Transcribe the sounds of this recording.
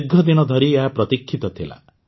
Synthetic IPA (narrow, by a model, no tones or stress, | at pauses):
ɡʱɔd̪inɔd̪ʱɔɾiapɾɔt̪ikʰːit̪ɔt̪ʰila̰